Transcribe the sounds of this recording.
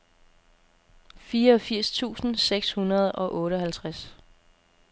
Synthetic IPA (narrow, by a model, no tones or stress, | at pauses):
fiːɐɒ̽fiɐ̰st͡sʰṵːsn̩seɡ̥shunɐð̞ˠɒ̽ʔɔ̽ːɾəɦælt͡sʰʁas